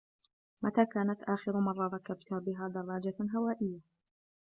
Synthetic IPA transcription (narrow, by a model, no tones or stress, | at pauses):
mat̪aːkaːnat̪ʔaːxɪɾʊmɑrˤːɑɾˤɑkabt̪ʊhabɪɦaːd̪ɑrˤːɑːd͡ʒaɦawaːʔɪjːa